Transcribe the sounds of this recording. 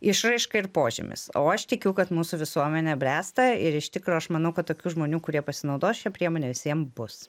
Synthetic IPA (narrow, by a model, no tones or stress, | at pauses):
ɪʃrɐɪʃkɐɪɾpoːʒʲɪ̰mʲɪ̰so̰ːɐʃt̪ʲɪkʲuʊkɐt̪muːsʊʋʲɪsuɔmʲɛnʲɛbʲɾʲæːst̪ɐɪɾɪʃt̪ʲɪkɾoːɐʃmɐnɐʊkɐt̪t̪oːkʲuːʒmoːnʲuːkʊɾʲiɛpɐsʲɪnɐʊd̪oːsʃʲɛpʲɾʲiɛmoːnʲeːʋʲɪsʲiɛmbʊs